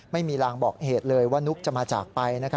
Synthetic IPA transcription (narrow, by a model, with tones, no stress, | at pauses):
ma˥˩jmiː˧laː˧ŋbɔː˨˩k̚heː˨˩t̪̚lɤː˧jwaː˥˩nu˦˥k̚t͡ɕa˨˩maː˧t͡ɕa̰ː˨˩k̚pa˧jna˦˥kʰ